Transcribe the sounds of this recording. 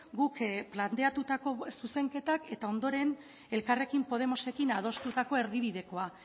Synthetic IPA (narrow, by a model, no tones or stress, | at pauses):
ɡukplant̪e̞at̪ut̪ako̞suse̞ŋke̞t̪ake̞t̪ao̞nd̪o̞ɾe̞n | e̞lkare̞kimpo̞ðe̞mo̞se̞kinað̞o̞st̪ut̪ako̞eɾðiβiðe̞ko̞a